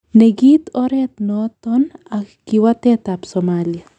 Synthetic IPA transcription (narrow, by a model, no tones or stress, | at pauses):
neɡit̪oɾet̪not̪onakkiwat̪et̪apsomalja